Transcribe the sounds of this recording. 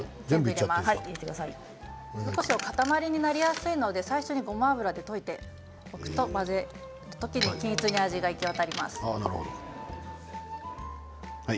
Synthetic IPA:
zẽmbɯieamasaiiet̪ekɯd̪asai | zokoɕiokat̪amaɾʲiɲ̟inaɾʲijasɨino̞d̪e̞saiɕo̞ɲ̟iɡo̞maːbɯ̟ɾad̪e̞t̪o̞it̪e̞ | okɯ̟̥t̪o̞maze̞ | t̪o̥t̪o̞kʲiɲ̟ikʲĩɰ̃t͡sɨɲ̟iaʑiɡaikʲiat̪aɾʲima̰sɨ̥ana̰ɾɯ̰ho̰d̪o̰ | hai

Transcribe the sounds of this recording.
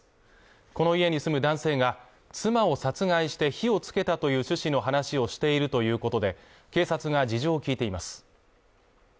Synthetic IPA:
ko̞no̞ie̞ɲ̟isɨmɯ̟d̪ãɰ̃se̞ːɡa | t͡sɨmao̞sat͡sɨɡaiɕi̥t̪e̞çio̞t͡sɨ̥ke̞t̪at̪o̞jɯ̟ːɕɨɕino̞ɦanaɕio̞ɕi̥t̪e̞iɾɯ̟t̪o̞jɯ̟ːko̞t̪od̪e̞ | ke̞ːsat͡sɨɡad͡ʑiʑoːkʲiːt̪e̞imasɨ̥

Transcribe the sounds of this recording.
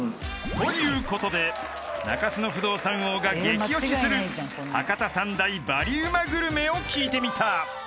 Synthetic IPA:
t̪o̞jɯ̟ːko̞t̪o̞d̪e̞ | na̰kasɨno̞ɸɯ̟d̪o̞ːsãɰ̃oːɡaɡe̞kijoɕisɨɾɯ̟ | a̰kat̪asãnd̪aibaɾʲiɯmaɡɯ̟ɾɯ̟me̞o̞kʲiːt̪e̞mʲit̪a

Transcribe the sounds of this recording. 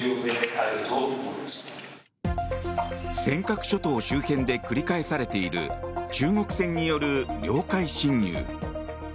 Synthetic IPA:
onekat̪ood̪es | sẽ̞ŋkakɯ̟̥ɕo̞t̪o̞ːɕɨːhẽ̞nd̪e̞kɯ̟ɾʲikaesaɾe̞t̪e̞iɾɯ̟̰t͡ɕɨːŋo̞kɯ̟̥sẽ̞ɲ̟ːijo̞ɾɯ̟ɡʲo̞ːkaiɕĩɲːɨ̰ː

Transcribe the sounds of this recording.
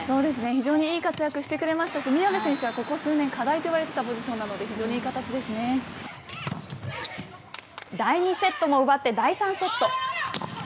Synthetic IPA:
so̞ːd̪e̞sɨne̞çiʑo̞ːɲ̟iiːkat͡sɨjakɯ̟ɕi̥t̪e̞kɯ̟ɾe̞maɕi̥t̪aɕimʲiomesẽ̞ɰ̃ɕɨβako̞ko̞sɨːnẽ̞ŋkad̪ait̪o̞iβaɾe̞t̪e̞t̪apo̞ʑiɕonːano̞d̪e̞çiʑo̞ːɲ̟iːkat̪at͡ɕid̪e̞sɨne̞ | d̪aiɲ̟ise̞t̪ːo̞mo̞ɯ̟bat̪ːe̞d̪aisãɰ̃se̞t̪ːo̞

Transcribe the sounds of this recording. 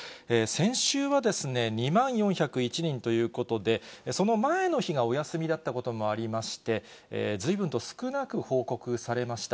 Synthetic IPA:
eːsẽ̞ɰ̃ɕɨːβad̪e̞sɨne̞ɲ̟imãɰ̃jõ̞ɰ̃çakɯ̟it͡ɕiɲ̟ĩnt̪o̞jɯ̟ːko̞t̪o̞d̪e̞so̞no̞mae̞no̞çiɡao̞jasɨmʲid̪at̪ːako̞t̪o̞mo̞aɾʲimaɕi̥t̪e̞̰ | zɨibɯ̟nt̪o̞sɨ̥kɯ̟nakɯ̟ho̞ːko̞kɯ̟saɾe̞maɕi̥t̪a

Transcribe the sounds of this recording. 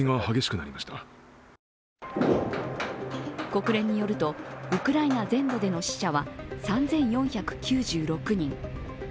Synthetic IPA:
iŋahaɡe̞ɕi̥kɯ̟naɾʲimaɕi̥t̪a | ko̞kɯ̟ɾẽ̞ɲ̟ːijo̞ɾɯ̟t̪o̞ɯ̟kɯ̟ɾainazẽ̞nd̪o̞d̪e̞no̞ɕi̥ɕaβasãnd͡zẽ̞ɰ̃jõ̞ɰ̃çakɯ̟̥kʲɨːʑɨːɾo̞kɯ̟ɲ̟ĩŋ

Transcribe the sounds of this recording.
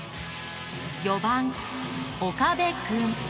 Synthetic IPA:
jobãŋ | okabekɯŋ

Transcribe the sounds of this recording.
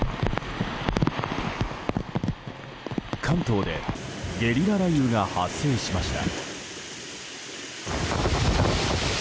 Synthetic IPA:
kʰãnt̪o̞ːd̪e̞̰ɡe̞ɾʲiɾaɾajɯ̟ːɡahasːe̞ːɕimaɕi̥t̪a̰

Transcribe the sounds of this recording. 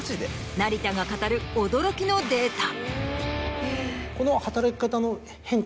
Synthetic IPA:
t͡ɕid̪e | naɾʲit̪aɡakat̪aɾɯ̟od̪o̞ɾo̞kʲino̞d̪e̞ːt̪a | ko̞no̞hat̪aɾakʲi̥kat̪ano̞ | hẽ̞ŋk

